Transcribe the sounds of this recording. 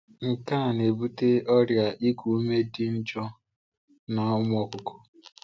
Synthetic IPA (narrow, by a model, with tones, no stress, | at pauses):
ŋ̩˨ka˦˨n˨e˨bu˦te˦ʔɔ˦ɾja˨ʔi˦kʷu˨˦me˦dɪ˦n̩˦t͡ʃɔ˦ | na˨ʊ˦m˦ɔ˦kʊ˨kʊ̥˦